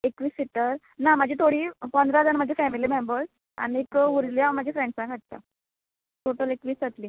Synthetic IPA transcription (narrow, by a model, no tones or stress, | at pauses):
ekʋiːsit̪ːəɾ | nam̤əd͡ʑʱet̪ʰoɽiːpɔ̃nd̪ɾad͡zanm̤əd͡ʑʱefɛmiliːmembəɾs | a̰ñiekuɾljam̤ːəd͡ʑʱefɾẽɳɖspãɡʱəʈ̚t̪a̰ | ʈoʈəlekʋiːsət̪liː